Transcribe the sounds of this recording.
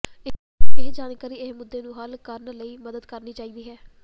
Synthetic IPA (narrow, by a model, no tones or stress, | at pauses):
ɪ | eːd͡ʒaːnkaːɾiːɪsmʊd̪ːeːnũːɦəlkəɾnləiːməd̪əd̪kəɾniːt͡ʃaːiːd̪iːɦɛː